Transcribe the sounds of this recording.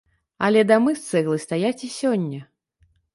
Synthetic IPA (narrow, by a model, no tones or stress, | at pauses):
ɐ̰lʲɛd̪amɨst̪sɛɣlˠɨst̪ajat͡sʲisʲɔnʲːɐ